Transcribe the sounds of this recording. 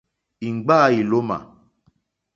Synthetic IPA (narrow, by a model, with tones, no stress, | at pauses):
i˨ŋ͡mɡ͡ba˦˨i˨lo˦mã̰˨